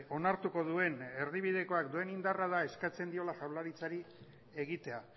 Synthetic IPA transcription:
o̞naɾt̪uko̞ðue̞ne̞ɾð̞iβ̞ið̞e̞ko̞akd̪ue̞nind̪arað̞ae̞skat͡se̞nd̪io̞laʝawlaɾit͡saɾi | e̞ɣit̪e̞a

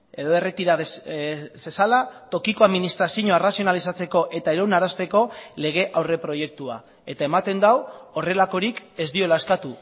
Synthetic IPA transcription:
e̞ðo̞e̞re̞t̪iɾaðsesalat̪o̞kiko̞aðminist̪ɾasiɲoerasio̞nalisat͡se̞ko̞ʔe̞t̪aeɾonaɾast̪e̞ko̞le̞ɣ̞e̞ʔawre̞pɾo̞je̞k̚t̪ua | e̞t̪ae̞mat̪e̞nd̪awo̞re̞lako̞ɾike̞zd̪io̞laeskat̪u

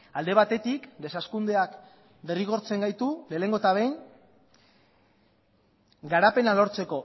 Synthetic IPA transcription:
ald̪e̞βat̪e̞t̪ikd̪e̞saskund̪e̞ak | d̪e̞riɣ̞o̞ɾt͡se̞ŋɡajt̪ule̞ːle̞ŋɡo̞et̪aβejŋ | ɡaɾape̞nalo̞ɾt͡se̞ko̞

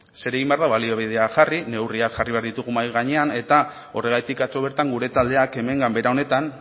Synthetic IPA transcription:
se̞ɾe̞ɣ̞imbeaɾðaβalioβiðeaʝarine̞wriakʝariβe̞aɾðit̪uɣ̞umajɣaɲe̞ane̞t̪a | o̞re̞ɣ̞ajt̪ikat͡so̞βe̞ɾt̪aŋɡuɾe̞t̪ald̪eake̞me̞ŋɡambe̞ɾao̞ne̞t̪an

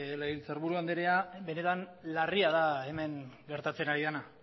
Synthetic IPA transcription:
leɣint͡seɾβuɾuand̪eɾeabe̞ne̞t̪anlariaðaeme̞ŋɡe̞ɾt̪at͡se̞naɾiðana

